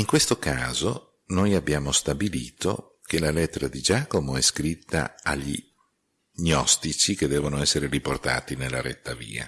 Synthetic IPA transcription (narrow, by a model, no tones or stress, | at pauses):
iŋkwest̪okaːzo | nojabːjaːmost̪abilḭːt̪o̰ | kelalɛt̪ːeɾad̪id͡ʒaːkomoɛskɾit̪ːa̰aʎːḭ | ɲɔst̪it͡ʃiked̪ːɛːvonoɛsːeɾeɾiport̪a̰ːt̪inelːaɾɛ̰t̪ːavḭːa̰